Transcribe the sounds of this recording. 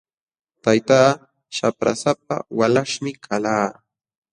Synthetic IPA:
t̪ajt̪aː | ʃapɾa̰sap̚a̰walaʂmɪkʰalaː

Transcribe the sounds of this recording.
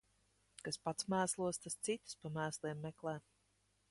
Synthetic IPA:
kaspat̪smæːslˠuɔst̪ast̪sit̪u̥spamæːslˠiɛmːɛklˠɛː

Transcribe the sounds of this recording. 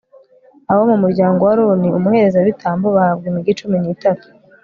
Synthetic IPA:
aβomumuɾɟaːŋɡo̞waɾoniumuhe̞ɾe̞zaβitʰaːmboβahabɡemiɡit͡ʃuminiːtatu̥

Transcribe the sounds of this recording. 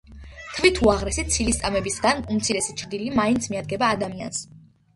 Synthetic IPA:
t̪ʰvit̪ʰuaʁɾɛsit̪sʰilist̪sʼamɛbisɡanumt̪sʰiɾɛsit͡ʃʰɾd̪ilimaint̪sʰmiad̪̚ɡɛbaːd̪amia̰ns

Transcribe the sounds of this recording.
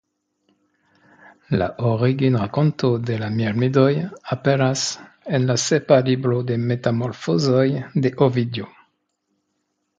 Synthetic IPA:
la̰ʔoʁiɡinʁakontode̞lamiɾmidojapeɾas | enlasepalibɾode̞me̞tamoɾfozojde̞ʔovidjo

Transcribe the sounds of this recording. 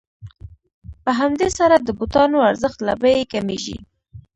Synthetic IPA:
pəɦamd̪esaɾad̪əbut̪ɑnoaɾzəxt̪la̰bəjekameʒḭ

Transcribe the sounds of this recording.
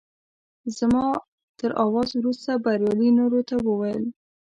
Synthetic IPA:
zmɑ | t̪əɾʔɑwɑzwɾust̪abaɾjɑlinoɾot̪awəwajəl

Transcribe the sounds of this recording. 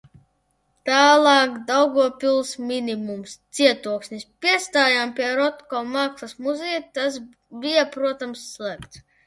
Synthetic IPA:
t̪aːlˠɑːkd̪awɡɔɔpʲilˠsmʲinʲimumst̪siɛt̪uɔksʲnʲisʲpʲiɛst̪aːjampʲiɛɾɔt̪kɔːmaːksˠasmuzɛj̪t̪as | bʲijapɾuɔt̪amsːlˠækt̪s

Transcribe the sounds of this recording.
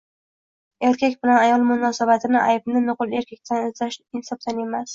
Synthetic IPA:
e̞ɾkʲakʲbɪlanajɒlˠmʊnɒsabat̪ʰɪnɪʔa̰jbnɪnʊqʊle̞ɾkʲʰak̚ʲt̪ʰanɪzaʃɪnsɒp̚t̪ane̞mas

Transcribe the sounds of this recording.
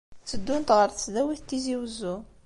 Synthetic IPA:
t͡sːəd̪ːunt̪ʁəɾˤt̪əsðæwiθt̪ːiziwəzːu

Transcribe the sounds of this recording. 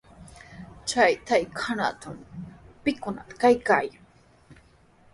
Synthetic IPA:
t͡ʃajt̪ajkʰana̰t̪ampɪkʊnat̪ḁkajkaːjaŋ

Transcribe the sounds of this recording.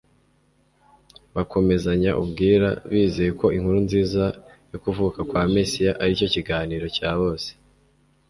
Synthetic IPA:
βakʰo̞me̞zaɲaʔṵbɡiːɾa̰βiːzejeko̞iŋhuɾunziːzajokuvuːkakwaːme̞sijaʔaɾico̞ciɡaːniːɾo̞caːβo̞ːse̥

